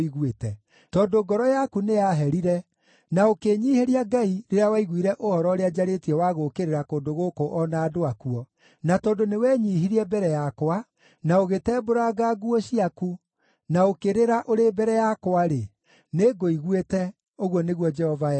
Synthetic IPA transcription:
iɣwetɛ | tɔːndoɡɔɾɔjakunejaɦɛɾiɾɛ | naokeɲiːheɾiaɡaiɾeɾeawaiɣwiɾɛʔohɔɾɔoɾead͡ʒaɾetiɛwaɣokeɾeɾakoːndoɣokoʔɔnaːdoakuɔ | natɔːndonewɛɲiːɦiɾiɛbɛɾɛjakowa | naoɣetɛːboɾaɡaɡuɔɕiaku | naokeɾeɾaʔoɾebɛɾɛjakwaɾe | neɡoiɣwetɛ | oɣwɔneɣwɔd͡ʒɛhɔva

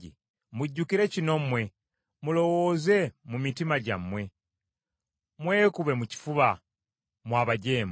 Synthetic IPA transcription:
i | muɟːukiɾe̞cino̞mwe̞ | mulo̞woːze̞mumitimaɟa̰mːwe̞ | mwe̞ːkuβe̞muci̥fuβa | mwaːβaɟe̞ːm

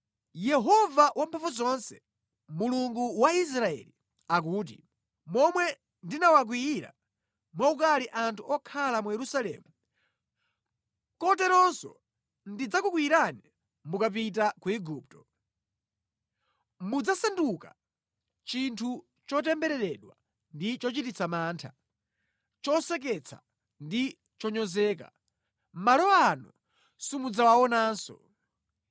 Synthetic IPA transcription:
jɛɦɔvawʔampʰɛfuzɔnsɛ̥ | muluŋɡuwais̬ɾaɛ̰li | ak̬uːt̬ḭ | mɔmwɛ | ndinawak̬wiːɾa̰ | mwaukaliʔantʰuɔkʰalamujɛɾusalɛ̰ːmu | kɔtɛɾɔnsɔ̰ | ndid͡zakuk̬wiɾani | mukap̬it̬akuɛɡuːp̚tɔ̥ | mud͡zasanduka | t͡ʃintʰu | t͡ʃɔt̬ɛmbɛɾɛɾɛɗwa̰ | ndit͡ʃɔt͡ʃitit͡sʰamaːntʰa | t͡ʃɔsɛk̬ɛt͡sʰa̰ | ndi | t͡ʃɔɲɔzɛːk̬a̰ | malɔanṵ | simud͡zawaɔnaːnsɔ̰

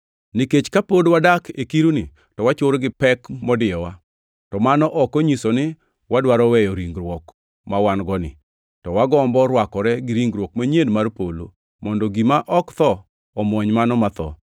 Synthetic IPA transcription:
niket͡ʃkapodwadakʰekiɾunɪ | tɔwat͡ʃʊɾɡɪpɛkmɔdɪjɔwa | tɔmanɔʔɔkɔɲisonɪ | wadwaɾɔwɛjɔɾiŋɡɾwɔk | mawanɡɔnɪ̰ | tɔwaɡɔmbɔɾwakɔɾɛɡɪɾiŋɡɾwɔkmaɲenmarpolo̰ | mɔndɔɡimaʔɔkt̪ɔː | mɔɲmanɔmat̪ɔ̰

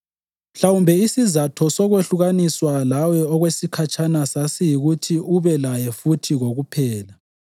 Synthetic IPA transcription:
m̩ɬawumbʱɛisizatʰɔsɔɣweɬuɣaniswalawɛɔɣwesikʰat͡ʃʰʼanasasijiɣutʰiʔuβɛlajɛfutʰiɣoɣupʰɛːla

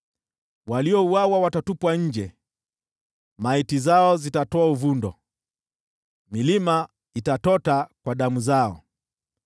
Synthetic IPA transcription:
waliɔuwawawatatupwaɲ̩d͡ʒɛ | maitizaɔzitatɔauvundɔ̰ | milima | itatɔtakwaɗamuzaɔ̰

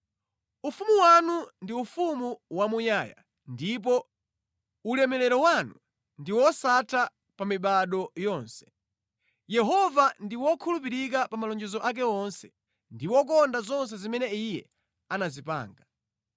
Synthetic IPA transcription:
ufumuwanundiufumuwamujaːja̰ | ndip̬ɔ | ulɛmɛlɛɾɔwanu | ndiwɔsatʰa | pamiɓaɗɔjɔːnsɛ̥ | jɛɦɔvandiwɔkʰulup̬iɾik̬apamalɔnd͡ʒɛzɔʔak̬ɛɔnsɛ | ndiwɔk̬ɔndazɔns̬ɛzimɛnɛijɛ̰ | anazipa̰ːŋɡa

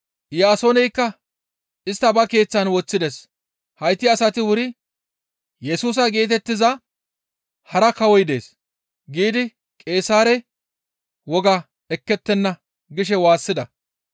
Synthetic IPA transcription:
jaːsɔːnɛjkːɐ | ɪst̪ːɐbɐke̞ːt͡sːɐnwɔt͡sːɪd̪ɛs | hɐjt̪ːɪɐsɐt̪ɪwʊɾɪ | jɛsuːs̬ɐɡeːt̪̬ɛt̪ːɪzɐ | hɐɾɐkɐwɔjd̪e̞̰ːs | ɡiːd̪ɪ | kʼe̞ːsaːɾɛ | wɔɡɐ | ɛkːɛt̪ːɛnːɐ | ɡɪʃ̬ɛwaːsːɪd̪ɐ

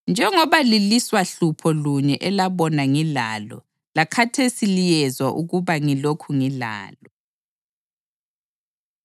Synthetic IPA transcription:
nd͡ʒʱɛŋɔβaliliswaɬupʰɔluɲɛʔɛlaβɔnaŋilaːlɔ̰ | lakʰatʰesilijɛzwaʔuɣuβaŋilokʰuŋila̰ːlɔ

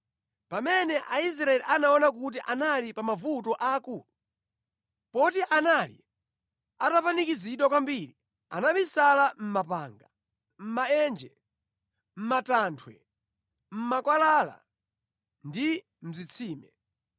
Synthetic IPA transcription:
pamɛnɛʔais̬ɾaɛliʔanaɔnak̬ut̬iʔanalipamavut̬ɔʔaːkuːlu | pɔtiʔanalḭ | atapanikiziɗwakwambiːli | a̰naɓisalam̩mapa̰ːŋɡa | m̩maɛnd͡ʒɛ | m̩matantʰwɛ̰ | m̩makwalaːla̰ | ndi | m̩zit͡sʰiːmɛ

